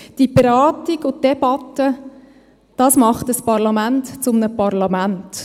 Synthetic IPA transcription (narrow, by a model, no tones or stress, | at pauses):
d̥ibeɾɑːtiɡʊtdɛb̥ɑtːə | d̥ɑsmɑχtəspɑɾlɑmæntt͡sʊmnəpɑɾlɑmænt